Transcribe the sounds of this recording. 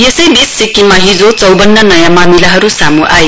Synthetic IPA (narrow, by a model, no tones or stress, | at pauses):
jesʌjd̪esːikimaɦid͡zot͡sʌwbʌnːʌnʌjãmamilaɦʌɾusamuʔaj